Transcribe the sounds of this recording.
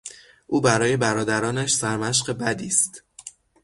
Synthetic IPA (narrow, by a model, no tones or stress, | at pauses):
ʔuːbæɾɒːje̞bæɾɒːd̪æɾɒːnæʃsæɾmæʃ̬ɢe̞bæd̪iːst̪